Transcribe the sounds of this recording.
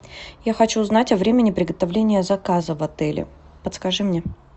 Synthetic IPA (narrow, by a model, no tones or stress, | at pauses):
jaxɐt͡ɕuznatʲɐvɾʲemʲɪnʲɪpɾʲɪɡət̪ɐvlʲenʲɪjəzɐkazəvɐt̪ɛlʲɪ̰ | pət̪skɐʐɨmnʲe